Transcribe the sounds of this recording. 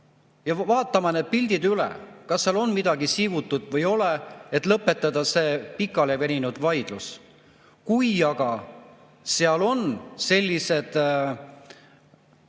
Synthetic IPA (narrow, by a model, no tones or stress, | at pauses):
jɑvɑːt̪ːˑɑmɑned̪̥̚pilʲd̪̥id̪ylɛ̰kɑsseɑlo̞nmid̪̥ɑɡisivut̪ːˑud̪̥vɤjo̞leet̪ːˑlɤpːˑe̞t̪ːˑɑd̪ɑseːpikːˑɑlevenʲinud̪̥vɑjd̪̥lus | kujɑɡ̥ɑ | seɑlo̞nse̞lʲːise̞d̪̥